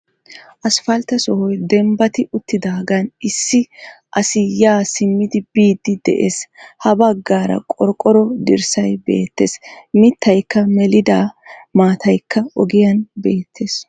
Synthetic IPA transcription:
ʔɐsfɐlt̪ɐsɔhɔjd̪ɛmbɐt̪ɪʔʊt̪ːɪd̪aːɡɐnʔɪsːɪʔɐsɪjaːsɪmːɪd̪ɪbiːd̪ːɪd̪ɛ̰ʔeːshɐbɐɡːaːɾɐ̰kʼɔɾkʼːɔɾɔd̪ɪɾsɐjbe̞̰ːt̪ːeːsmɪt̪ːɐjkːɐmɛlɪd̪aːmaːt̪ʰɐjkːɐɔɡɪjɐnbeːt̪ʰːe̞ːs

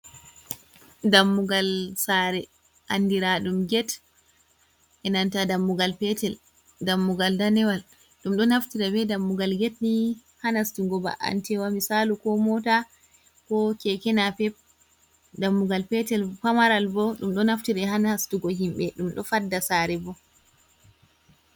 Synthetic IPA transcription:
damːuɡalsaɾɛ | ʔandiɾaɗumɡɛt | ʔɛnantadamːuɡalpɛtɛl | damːuɡaldanɛwal | ɗumɗɔnaftiɾabɛdamːuɡalɡɛtni | hanastuɡɔba̰ʔa̰ntɛwamisalukɔmɔta | kɔkɛkɛnapɛp̚ | damːuɡalpɛtɛlpamaɾalbɔɗumɗɔnaftiɾɛhanastuɡɔɦimɓɛɗumɗɔ̰fadːasaɾɛbɔ

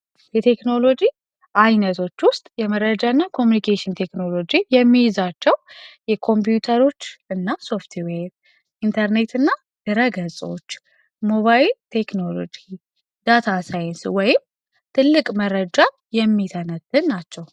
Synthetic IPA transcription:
jɛt̪ʰe̞kno̞lo̞d͡ʒi | ʔajnət̪ʰo̞t͡ʃːwʊst̪ʼjɛməɾəd͡ʒaɨnːakʰo̞mjunikʰeʃint̪ʰe̞kno̞lo̞d͡ʒijɛmːijzat͡ʃːɛwjɛkʰo̞mpjut̪ʰəɾo̞t͡ʃːɨnːaso̞ft̪ʰweb | ʔint̪ʰəɾne̞t̪ʰɨnːa | d̪̥ɨɾəɡəsʼo̞̰t͡ʃː | mo̞βajilt̪ʰe̞kno̞lo̞̰d͡ʒi | d̪̥at̪ʰasajɪnswɔjɪm | t̪ʰɨlːɨkʼməɾəd͡ʒa | jɛmːit̪ʰənət̪ʰːɨnnat͡ʃːɛw

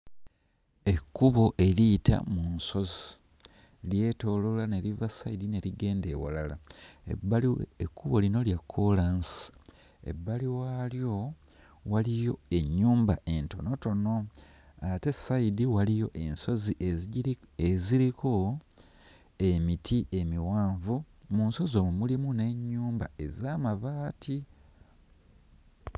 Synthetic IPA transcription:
e̞kːuβo̞ʔe̞liːta̰munso̞zi | lje̞ːto̞lolane̞livasaidine̞ɾiɡe̞ːnde̞̰ːwa̰lalaḛbaekʰːuβo̞lino̞ljakʰːo̞lansi̥ | e̞̰bːaliwaːljo̞ | walijo̞e̞ɲːuːmbaʔe̞nto̞no̞to̞no̞ | ate̞saidiwalijo̞ʔe̞nso̞ziʔe | eziɾiko̞ | e̞mitʰiʔe̞miwaːɱvu | munso̞zo̞mumulimune̞ɲːuːmba̰e̞zaːmaβaːtʰi

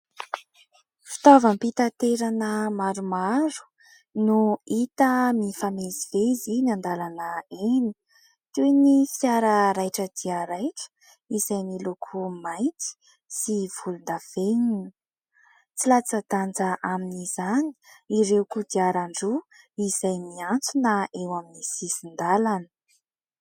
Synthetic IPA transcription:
fi̥t̪ovəmpit̪at̪eɾanəmaɾumaɾu̥ | nuit̪əmifameziveizinand̪alanəeni̥ | ʈ͡ʂenifiaɾəɾajʈ͡ʂəd̪iaɾajʈ͡ʂə̥ | iz̥ajmilokʰumajnt̪i̥ | siv̥ulund̪av̥eninə | t͡silat͡səd̪and͡zaʔaminiz̥ani̥iɾewkud̪iaɾaɳɖ͡ʐu | iz̥ajmiant͡sunaʔewaminisisind̪alanə̥

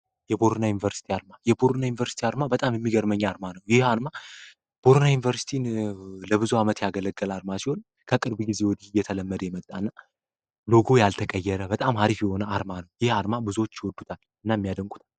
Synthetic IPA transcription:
jɛbo̞ɾnajunivəɾsi̥t̪ʰiaɾmajɛboɾnajunivəɾsi̥t̪ʰiaɾmabət̪ʼamjɛmːiɡəɾməɲːaɾmanəwjɪhaɾma | b̥o̞ɾnajunivəɾsi̥t̪ʰinləbɨzuamət̪jaɡələɡːəlaɾmasihon | kʰəkʼɨɾbɡize̞wɔd̪ihɨjːɛt̪ʰələmːəd̪əjɛmət̪ʼːanːa | lo̞ɡo̞jalt̪ʰəkʼəjːɛɾəbət̪ʼamhaɾifjɛho̞nəaɾmanəwjɪhaɾmabɨzuwot͡ʃːjɪwɔd̪ːut̪ʰal | ɨnːamːijad̪əŋkʼu̥t̪ʰal

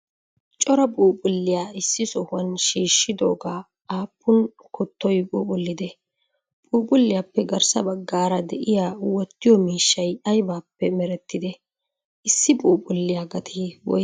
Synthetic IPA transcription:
t͡ʃʼɔɾɐpʼuːpʼʊlːɪjaːɪsːɪsɔhʊɐnʃiːʃːɪd̪o̞̰ːɡaː | aːpʰːʊn | kʊt̪ːɔjpʼuːpʼʊlːɪd̪ɛ | pʼuːpʼʊlːɪjaːpːɛɡɐɾsɐbɐɡːaːɾɐd̪ɛʔɪjaːwɔt̪ːɪjɔmiːʃːɐjɐjbaːpːɛmɛɾɛt̪ːɪd̪ɛ | ʔɪsːɪpʼuːpʼʊlːɪjaːɡɐt̪ʰiːwɔ̰

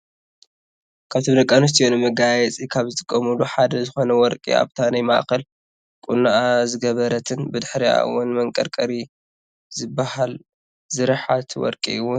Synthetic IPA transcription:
kʰaβt̪ʰiɾɐkʼanɨs̬t̪ʰijonɨmɐɡajɛt͡sʼikʰaβzɨt̪ʼʰɨ̥kʼːɐmuluħad̪ɐzɨxo̞nɐwɔɾkʼḭa̰βt̪ʰanajma̰ʔxɐl | kʼunaʔazɨɡɐβɐɾɐt̪ʰɨnbɨd̪ɨħɾia̰wʊnmɐŋkʼɐɾkʼɐɾi | zɨbahal | zɨɾɨħat̪ʰwɔ̰ɾkʼḭɨwʊn

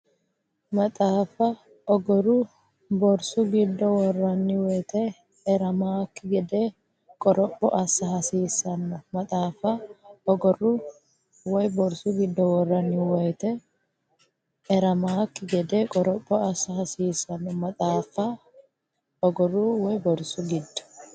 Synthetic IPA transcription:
mɐt̪ʼaːfɐ | ɔɡɔɾu | bɔɾsuɡɪd̪ːɔwɔrːɐnːɪwɛjt̪ʰɛː | ɾɐmaːkːɪɡɛd̪e | kʼɔɾɔpʼːɔʔɐsːɐɦɐsiːsɐnːɔmɐt̪ʼaːfɐɔɡɔru | wɔjbɔɾsuɡɪd̪ːɔwɔrːɐnːɪwɛjt̪ɛ | ɛɾɐmaːkːɪɡɛd̪ɛkʼɔɾɔpʼːɔɐsːɐhɐsiːsɐnːɔmɐt̪ʼaːfɐ | ɔɡɔruwɔjbɔɾsuɡɪd̪ːɔ̥

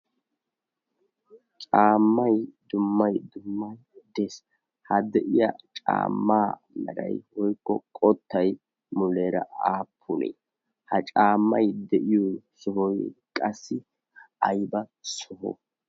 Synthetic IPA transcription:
t͡ʃʼaːmːɐjd̪ʊmːɐjd̪ʊmːɐj | d̪ɛs | hɐd̪ɛʔɪja̰t͡ʃʼa̰ːmːaː | mɛ̰ɾɐ̰jhɔjkːɔkʼɔt̪ːɐj | mʊleːɾɐ̰aːpʰːʊnḛ | hɐt͡ʃʼaːmːɐjd̪ɛʔɪjosɔhɔjkʼɐsːɪ | ɐjbɐsɔhɔ̰

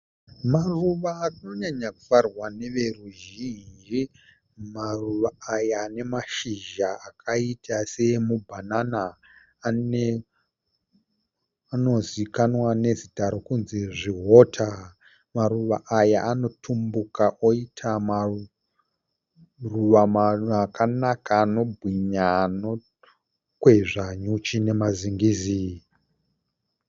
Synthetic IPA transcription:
maruʋaːruno̞ɲaɲaku̥farwane̞ʋe̞ruʒinnd͡ʒi | maruʋaːjaːne̞maʃiʒaakʰaitʰase̞mubʱananaː | ne | ano̞zikanwane̞zitaɾo̞kunziʐiɦo̞tʰa | maɾuʋaʔajaʔano̞tʰumbukaʔoitʰama | ruʋamaakanakaːno̞bʱwiɲano | kwe̞ʐaɲut͡ʃine̞maziŋɡiːzi

